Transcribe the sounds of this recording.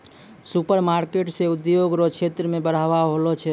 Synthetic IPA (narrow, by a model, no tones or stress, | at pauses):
supəɾmaɾkeʈseud̪joɡɾot͡ʃʰet̪ɾəmebəɽ̤aʋaɦolɔt͡ʃʰɛ